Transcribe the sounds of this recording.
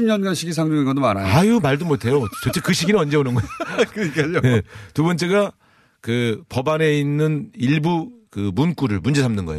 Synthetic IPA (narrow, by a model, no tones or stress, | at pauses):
imɲʌnɡanɕʰiɡis̬ʰaŋdeŋiɡʌdomaɾa̰jajumaɭdumotʰe̞jot͡ɕʌt͡ɕ͈ekɯɕʰiɡinɯʌnd͡ʑe̞onɯnɡʌejokɯɲik͈aɲojetubʌnt͡ɕ͈e̞ɡa | kɯpʌbane̞inːɯniɭbukɯmunk͈uɾɯɭmund͡ʑe̞sʰamnɯnɡʌ̰ḛjo